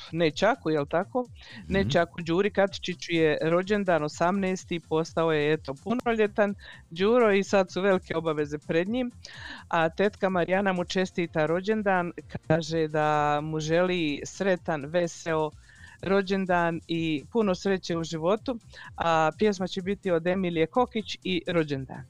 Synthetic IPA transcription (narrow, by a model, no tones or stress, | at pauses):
net͡ʃakujelt̪ako̞ː | net͡ʃakud͡ʒuːɾikat̪i̥t͡ʃit͡ɕuje̞ɾo̞d͡ʑe̞nd̪aːno̞samneːst̪ipo̞st̪ao̞je̞et̪o̞punoʎe̞t̪an | d͡ʑuːɾo̞isad̪suʋe̞likʰe̞o̞baʋe̞ze̞pɾed̪ɲiːmat̪e̞t̪kamaɾijanamut͡ʃe̞st̪iːt̪aɾo̞d͡ʑe̞nd̪aːnkʰaːʒed̪amuʒe̞liːsɾe̞t̪anʋe̞seo̞ | ɾo̞d͡ʑe̞nd̪aːnipuno̞sɾe̞t͡ɕe̞ːuʒiʋo̞t̪uapje̞s̬mat͡ɕebit̪io̞d̪e̞milje̞ko̞kit͡ɕiɾo̞d͡ʑe̞nd̪a̰ːn